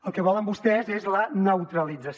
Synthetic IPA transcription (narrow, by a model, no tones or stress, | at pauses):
əlˠkəβɔləmbust̪ɛzezlənəwt̪ɾəlid͡zəs